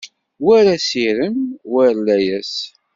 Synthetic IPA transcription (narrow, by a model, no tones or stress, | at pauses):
wæɾæsiɾənwəɾlæjæs